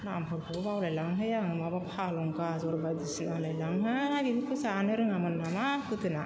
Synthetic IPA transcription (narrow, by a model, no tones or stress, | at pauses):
nampɯɾpʰɔbawlajlaŋɦɯjaŋɯmabapʰalɔŋkazɔɾbad̪isinalajlaŋɦɯaɡidikʰusanɯɾɯŋamɯnːamapɯt̪ɯna